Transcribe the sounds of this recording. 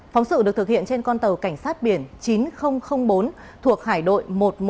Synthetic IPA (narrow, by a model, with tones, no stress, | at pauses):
fa˨˦wŋ͡msɨ̰˧˨ɨ˨˩k̚t̪ɨ˨˩k̚hḭ˧˨ənt͡ɕe˧nkɔ˧nt̪ə˨˩wka˧˩jŋ̟saː˦˥t̚ɓi˧˩ənt͡ɕi˨˦nxə˧wŋ͡mxə˧wŋ͡mɓo˨˦n | t̪ʰu˨˩ək̚haː˧˩jɗo̰˧˨jmo˨˩t̚m